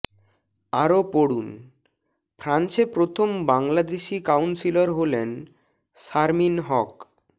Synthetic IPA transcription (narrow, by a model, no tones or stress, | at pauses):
aɾopoɽun | fʰɾant͡ɕepɾot̪ʰombaŋlad̪eʃikawnsiloɾɦolen | ʃaɾminɦɔk